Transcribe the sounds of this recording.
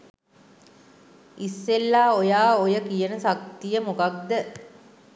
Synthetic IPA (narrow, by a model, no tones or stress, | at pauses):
isːelːaːojaːojəkijənəsak̚t̪ijəmokak̚d̪ə